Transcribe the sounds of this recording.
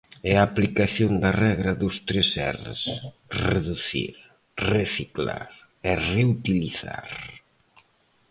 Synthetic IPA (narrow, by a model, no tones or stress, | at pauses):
ɛaːplikaθjond̪ɐrɛɣɾɐðʊst̪ɾesɛ̰rḛs | reðuθḭɾ | reθikla̰ɾ | ereut̪iliθa̰ɾ